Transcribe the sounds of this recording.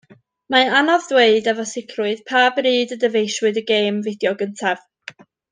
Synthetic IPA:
maanɔðdweɨdɛvɔsɪkʰrʊɨð̥pʰaːbriːdədəvejʃwɨðəɡeːmvɪdjɔɡəntʰav

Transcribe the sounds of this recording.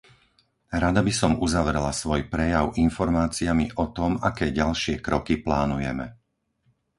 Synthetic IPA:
ɾad̪abisɔmuzaʋɾɛlasʋɔjpɾɛjaʊʔinfɔɾmaːt͡siamiʔɔt̪ɔmakɛːɟalʃɪɛkɾɔkiplaːnujɛmɛ

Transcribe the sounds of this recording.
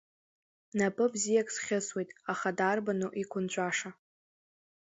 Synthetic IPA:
napʼɨbzijakʼsχʲɪswejtʼaχadarbanoʔikʷʰʊnt͡ʃʷʼaʂa

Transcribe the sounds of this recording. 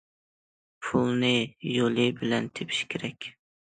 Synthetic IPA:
pʰulˠnɪjolˠɨbɪlɛnt̪ʰepʰi̥ʃkʲʰeɾɛkʲ

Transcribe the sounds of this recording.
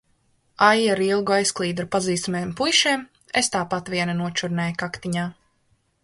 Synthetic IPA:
ajaɾilˠɡuajsklˠiːd̪ɾupaziːst̪meːmpujʃeːm | est̪aːpat̪ʋiɛnanuɔt͡ʃuɾnɛːjkakt̪iɲaː

